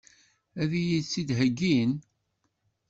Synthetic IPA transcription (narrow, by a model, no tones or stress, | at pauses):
æðijisid̪ɦəɡːin